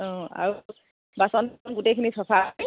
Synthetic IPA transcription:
ɔ̃a̰ɹu | basɔnnɡutejkʰinisʰɔpʰa

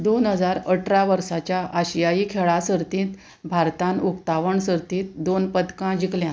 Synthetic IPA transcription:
d̪onɦəd͡zaɾəʈʰɾaʋəɾsat͡ɕjaʔəɕjaikʰeɭasəɾt̪ĩːt̪ | bʱaɾt̪ãnukt̪aʋəɳsəɾt̪ĩːt̪̚d̪onpəd̪kãd͡ʑikljã

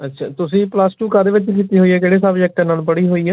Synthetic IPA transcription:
ətːʃʰa̰ːt̪ʊsĩːplasʈuːkəɾd̪eːʋɪt͡ʃikiːt̪iːɦoːiːɛːkeːɽeːsaːʋiɛːk̚ʈə̃naːlpəɽiːɦoːiːɛː

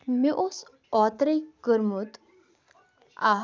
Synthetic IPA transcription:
miʔos | ɔt̪ɾɐjkəɾmut̪ | a

